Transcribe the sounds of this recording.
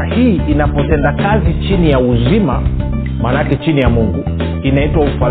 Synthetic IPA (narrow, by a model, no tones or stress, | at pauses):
ahiːʔinapɔtɛndakazit͡ʃinijauzima | maːnakɛt͡ʃinijamuŋɡu | inaitwaufa